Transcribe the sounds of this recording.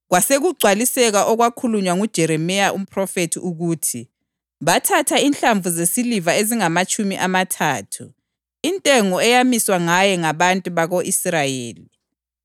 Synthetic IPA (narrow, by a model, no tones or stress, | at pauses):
ɣwaseɣuɡ͡ǀʱwalisɛɣaʔɔɣwakʰuluɲwaŋud̥ʒ̥ʱɛɾɛmɛjaʔum̩pʰʼrɔfetʰiʔuɣuːtʰi | βatʰatʰainɬaɱvuzesilivaeziŋamat͡ʃʼumiʔamatʰaːtʰu | intʼɛŋɔɛjamiswaŋajɛŋaβantʼuβaɣoʔisrajeːli